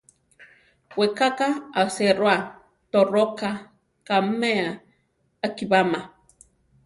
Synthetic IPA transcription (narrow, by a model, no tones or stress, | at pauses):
wekakaaseɾoa | t̪oroka | kameaː | kibama